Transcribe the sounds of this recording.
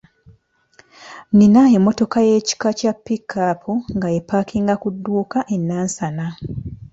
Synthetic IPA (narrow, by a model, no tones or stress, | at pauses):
ninaemːo̞to̞kaje̞ːci̥kacapːikːapʰuŋɡajepakʰiŋɡakudːuːkaʔe̞nːaːnsana